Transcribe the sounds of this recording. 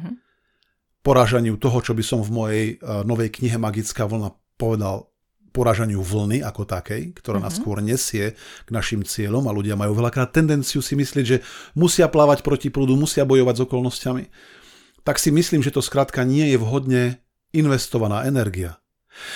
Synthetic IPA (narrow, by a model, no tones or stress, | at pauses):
pɔɾaːʒaɲɪut̪ɔɦɔt͡ʃɔbisɔmvmɔjɛjnɔʋɛjkɲiɦɛmaɡit͡skaːʋl̩na | pɔʋɛd̪al | pɔɾaːʒaɲɪuʋl̩niʔakɔt̪akɛjkt̪ɔɾaːna̰skʊɔɾɲɛsɪɛɡ̥naʃimt͡sɪɛʎɔmaluɟɪamajuːʋɛʎakɾaːt̪ːɛnd̪ɛnt͡sijusimislɪɛɟʒɛmusɪaplaːʋacpɾɔcipluːd̪umusɪabɔjɔʋaɟzɔkɔlnɔscami | t̪aksimisliːmʒɛt̪ɔskɾaːt̪kaɲɪɛjɛʋɦɔd̪ɲɛ | inʋɛst̪ɔʋanaːʔɛnɛɾɡia